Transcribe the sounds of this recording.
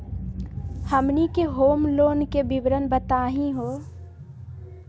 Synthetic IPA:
həmnikeɦoːmloːnkebɪʋɾənbət̪aːɦĩɦoː

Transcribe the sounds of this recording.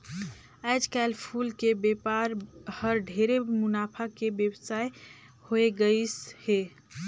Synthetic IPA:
ad͡ʒkɛlpʰulkebepaɾhəɾɖʱeɾemʊnaːpʰakebjəbsaːe | hoeɡəishe

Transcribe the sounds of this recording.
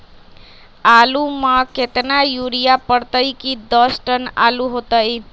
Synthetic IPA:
aluməket̪najuɾijapəɽt̪əjkid̪əsʈəna̰luɦot̪əj

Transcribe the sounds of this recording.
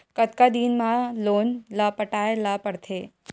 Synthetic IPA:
kət̪̚kad̪inmãloːnlapəʈaːelapəɽt̪ʰeː

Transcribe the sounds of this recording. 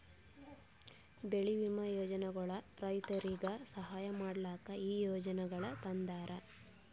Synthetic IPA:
beɭiʋimɐjɔːd͡ʒɐnɛɡɐɭɐɾɐjt̪ɐɾiɡɐsɐɦaːjɐmaːɽlaːkɐiːjoːd͡ʒɐnɛɡɐɭɐt̪ɐnd̪aːɾʔɐ

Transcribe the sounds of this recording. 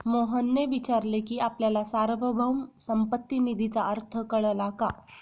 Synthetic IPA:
moɦənːeʋit͡ɕaɾlekiːapljalasaɾʋəbʱəwmsəmpət̪ːinid̪ʱit͡saəɾt̪ʰəkəɭlaka

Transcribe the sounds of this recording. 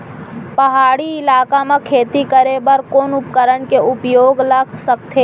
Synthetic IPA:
pɐɦaːɽiɪlaːkamakʰeːt̪ikəɾebəɾkoːnʊp̚kəɾənkeʊpjoːɡlɐɡsək̚t̪ʰeː

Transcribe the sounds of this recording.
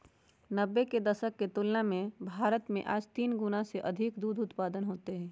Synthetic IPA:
nəbːeked̪ɐʃəkːet̪ʊːlnamẽbʱaːɾət̪mḛ̃ʔaːd͡ʒt̪iːnɡʊnaseʔɐd̪ʱɪkd̪uːd̪ʊt̪paːd̪ənɦoːt̪eɦɛ̃ː

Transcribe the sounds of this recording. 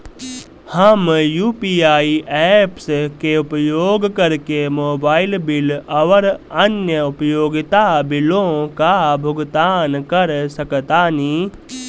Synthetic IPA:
həmjuːpiːaːiʔɛːpskeʊpjoːɡkəɾkemoːbaːɪlbɪlɐʋəɾənjəʊpəjoːɡɪt̪abɪlõkabʱʊɡt̪aːnkəɾsəkt̪aːniː

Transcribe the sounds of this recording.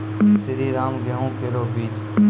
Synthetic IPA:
sɪɾiːɾaːmɡʱəɦũːkeɾoːbiːd͡ʒ

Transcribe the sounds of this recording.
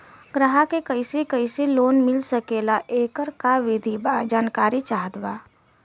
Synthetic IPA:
ɡɾəɦakekəɪsekəɪseloːnmɪlsəkeːlaʔeːkəɾkaʋɪd̪ʱibad͡ʒaːnkaːɾit͡ʃaːd̪ʋaː

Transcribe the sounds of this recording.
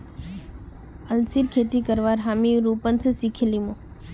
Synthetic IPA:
əlsiːɾkʰeːt̪ikəɾʋaːɾɦaːmiɾuːpənsəsikʰelimõ

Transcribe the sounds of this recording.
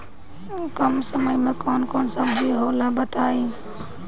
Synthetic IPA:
kəmsəməjmekɔnkonsəbd͡ʒʱiɦolabət̪ae

